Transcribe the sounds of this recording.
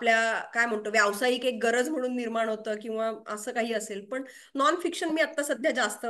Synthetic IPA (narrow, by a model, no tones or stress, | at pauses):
apljakajm̤əɳt̪oʋjaʋsaiːkek̚ɡəɾəd͡zm̤əɽ̃uːnːiɾmaɳ̃ɦot̪əːkĩw̃ʋaəsəːkaɦiːəselpəɳ | nɔnfikɕənmiːat̪ːasəd̪ʱjad͡zast̪ə